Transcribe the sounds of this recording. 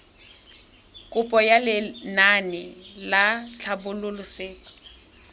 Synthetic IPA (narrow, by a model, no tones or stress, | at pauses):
kʼʊpʼɔjalɪnanɪlat͡ɬʰabʊlʊlʊsɪːkʊ̥